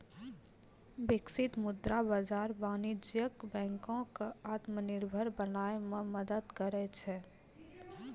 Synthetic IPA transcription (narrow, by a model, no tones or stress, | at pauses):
bɪksɪt̪mʊd̪ɾabad͡ʒaːɾbaːnɪd͡ʒjəkbɛ̃ːŋkõkeaːt̪mənɪɾbʱəɾbənaːemẽməd̪əd̪kəɾɛt͡ʃʰɛ